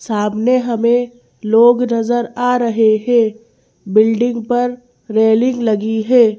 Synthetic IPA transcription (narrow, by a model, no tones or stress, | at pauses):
saːbneɦɐmẽ | loːɡnɐzəɾaːɾɐɦeɦɛ̃ː | bɪlɖɪ̃ŋɡpɐɾː | eːlɪ̃ŋɡlɐɡiɦɛː